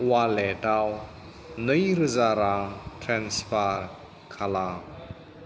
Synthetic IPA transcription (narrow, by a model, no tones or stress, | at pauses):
walɛtaw | nəjɾəzaɾatʰɾɛnspaɾ | kʰala